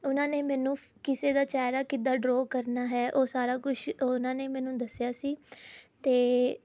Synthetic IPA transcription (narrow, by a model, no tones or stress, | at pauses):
ʊnãːneːmɛ̃ːnũː | kɪseːd̪aːt͡ʃaːɾaːkɪd̪aːɖɾoːkəɾnaːɦɛːʔoːsaːɾaːkʊʃoʊnãːneːmɛːnũːd̪əsjaːsiːt̪eː